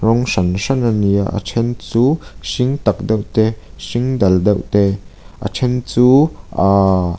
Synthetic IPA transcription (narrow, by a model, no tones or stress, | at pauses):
rɔŋʂɐnʂɐnania̰ʔə̰t͡sʰɛnt͡suːsiŋt̪ɐk̚dɐwʔt̪ɛsiŋdɐldɐwt̪ɛ | ʔə̰t͡sʰɛnt͡suːʔa